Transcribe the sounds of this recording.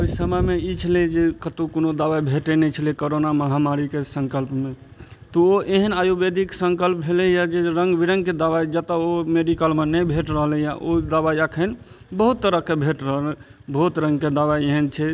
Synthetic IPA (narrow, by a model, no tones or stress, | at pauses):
oisəməjmeit͡ʃʰəled͡ʒekət̪ukonod̪aʋabʱeʈənɛt͡ʃʰəlekoɾonaməɦamaɾikesəŋkəlpme | t̪ɔoʔeɦənajubed̪ʱiksəŋkəlp̚bʱelejad͡ʒeɾəŋɡbiɾəŋɡked̪aʋad͡ʒət̪əomeɖikəlmenəbʱeʈɾəɦəlẽjaʔod̪abajakʰən | bəɦut̪ːəɾəkebʱeʈɾəɦəl | bəɦut̪ɾə̃ŋɡked̪abaeɦənt͡ʃʰɛ